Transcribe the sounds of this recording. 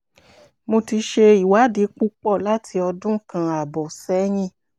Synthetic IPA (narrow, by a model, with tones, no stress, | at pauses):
mo˧ti˧ʃe˧i˨wa˨˦di˨˦k͡pu˦k͡pɔ˦˨la˦tʰi˧ɔ˧dũ˦kã˧˨a˨bɔ˨sɛ˨˦j̃ĩ˦˧˨